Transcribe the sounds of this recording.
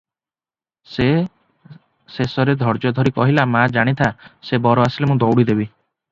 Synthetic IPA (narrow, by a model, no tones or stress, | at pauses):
se | sesɔɾed̪ʱɔɾd͡ʒɔd̪ʱɔɾikɔɦilamad͡ʒaɽ̃it̪ʰasebɔɾɔasilemũd̪ɔwɽid̪ebi